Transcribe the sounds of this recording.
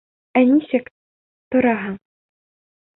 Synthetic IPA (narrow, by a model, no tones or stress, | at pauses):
æniʃɘk | t̪ŏɾɑɦɤɴ